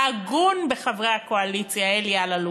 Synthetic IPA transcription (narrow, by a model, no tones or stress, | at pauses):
aɡunbeχavʁehakoalit͡sjaeljalalu